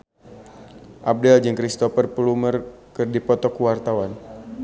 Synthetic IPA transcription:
ʔab̚dɛld͡ʒɨŋkɾist̪ɔfərpəlumərkɨrdipɔt̪ɔkuwart̪awan

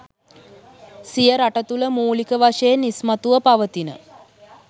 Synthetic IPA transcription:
sijəɾaʈət̪uləmuːlikəʋaʂeenismat̪uʋəpaʋət̪inə̰

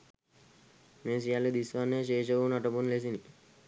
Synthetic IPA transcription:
mẽs̬ijaled̪isʋaneʃeːʃəʋunaʈobunles̬ini

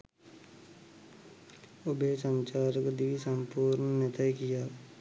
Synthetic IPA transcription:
ʊbʱesəmt͡ʃaːɾəkd̪iʋisə̃mpuːɾnənɪt̪əjkijaː

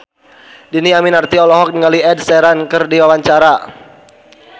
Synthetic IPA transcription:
diniaminart̪iɔlɔɦɔk̚niŋaliɛdsɛɾankɨrdiwawaɲt͡ʃaɾa

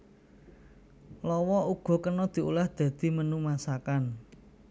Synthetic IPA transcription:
lɔwɔuɡ̥ɔ̤kənɔd̪̥i̤ʔṵlahd̪̥ä̤d̪̥i̤mənumasakan

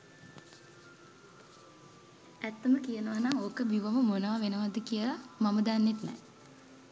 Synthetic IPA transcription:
æt̪ːəməkijənəʋanaŋoːkəbiʋəməmonəʋaʋenəʋad̪əkijəlamaməd̪anːet̪nɛ̰

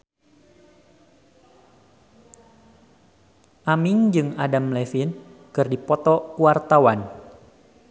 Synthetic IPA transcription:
ʔamɪŋd͡ʒɨŋadamlefɪnkɨrdipɔt̪ɔkuart̪awan

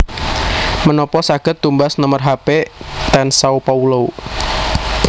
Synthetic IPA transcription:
mənɔpɔsaɡ̥ət̪ːumbasnəmərɦapet̪ɛnsaupaulou

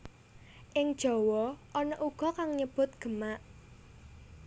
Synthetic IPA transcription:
ʔɪŋd̥ʒ̥ɔ̤wɔʔɔnɔʔuɡ̥ɔ̤kaŋɲəb̥ʊ̤t̪̚ɡ̥ə̤maʔ

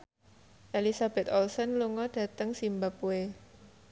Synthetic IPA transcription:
ʔelisab̥ɛt̪ɔlsənluŋɔɖ̥ä̤t̪əŋsimbapue

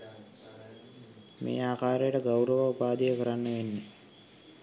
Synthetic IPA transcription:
mʔḛːaːkaːɾejəʈəɡawɾəʋəupaːd̪ijəkəɾanːəʋenːe

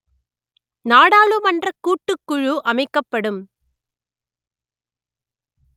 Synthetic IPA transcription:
naːɽaːɭɯmɐndrɐkːuːʈːɯkːʊɻuʔɐmɐɪkːɐpːɐɽɯm

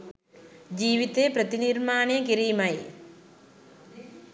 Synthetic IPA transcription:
d͡ʑiːʋit̪epɾɐt̪iniːɾmaːnekiɾiːmɐj

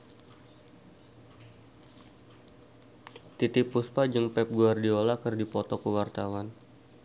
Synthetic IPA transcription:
t̪it̪ipuspad͡ʒəŋpɛp̚ɡuardiolakərdipɔt̪ɔkəwart̪awan

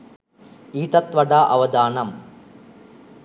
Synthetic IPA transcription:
iːʈɐt̪ʋɐɖaʔɐʋɐd̪aːnɐm

